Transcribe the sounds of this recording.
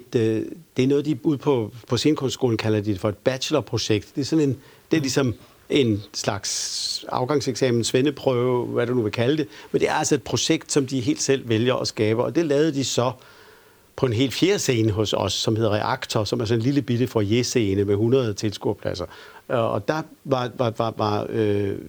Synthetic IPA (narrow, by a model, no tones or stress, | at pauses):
d̥e̝æɐnɔ̽ːð̞̩ˠd̥iuð̞̰ˠpʰɒ̽pʰɒ̽se̝ːnəkʰɔ̽nssɡ̥o̝̰ːln̩kʰælɐd̥id̥efɒ̽e̝d̥̚b̥æɕəlɐpʰʁo̝ɕeɡ̥̚d̥d̥e̝æɐsɒ̽ne̝n | d̥e̝æɐlisɒ̽m | ʔe̝nslɑ̈ɡ̥sɑ̈ʊɡ̥ɑ̈ŋseɡ̥sɛ̰ːmn̩sʋenəpʰʁœʊʋæɾ̥unuʋe̝kʰæləd̥e̝mend̥e̝æɐælsɒ̽e̝d̥pʰʁo̝ɕeɡ̥d̥sɒ̽md̥iɦe̝̰ːld̥sel̰ʋeljɐʔɒ̽sɡ̥ɛːb̥ɐʔɒ̽d̥e̝lɛːʊð̞̩ˠd̥isɒ̽ | pʰɒ̽e̝nɦe̝̰ːl̥fje̝ːɐse̝ːnəɦɔ̽sɒ̽sːɒ̽mhe̝ðˠɐʁɛʔɑ̈ɡ̥t͡sʰɒsɒ̽mæɐsɒ̽ne̝nliləb̥iɾ̥əfɒ̽je̝se̝ːnəmeɦunʁɐð̞̩ˠt͡sʰe̝lsɡ̥uɐ̰pʰlæ̰sɐɒ̽d̥ɑ̈ʋɑ̈ɑʋɑ̈ʋɑ̈ø